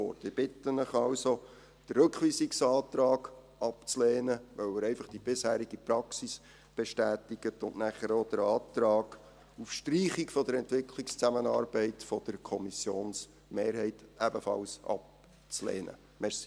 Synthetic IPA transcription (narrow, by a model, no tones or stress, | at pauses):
ɔ̰ːɾtɪb̥ɪtːənəχɑlso | d̥ərɾɵkʋiːsiksɑːt̪ɾɑːɡ | ɑpt͡slɛːnəʋœwəɾɛɪfɑχd̥ib̥ɪshæːɾiɡipɾɑksis | b̥ɛʃtæːtiɡətʊnʔnæχəɾod̥əɾɑːtɾɑːɡ | ufʃtriːχikfɔd̥əɾɛntʋɪkʰlikst͡sæmənɑːɾbɛɪtfɔd̥əɾkʰɔmisjoːns | meːɾɦɛɪtæbəfɑ̰lsɑ̰p̚ | t͡slɛ̰ːnə̰ | mɛsi